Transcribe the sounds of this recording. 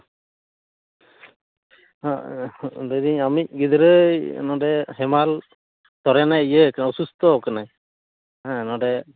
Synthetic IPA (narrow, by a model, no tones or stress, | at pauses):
a | d̪ed̪iɲamic̚ɡid̪ɾəj̰nɔɖɛɦɛmal | t̪ɔɾɛnajəknɔsust̪ɔkənaj | ãnɔ̃ɖɛ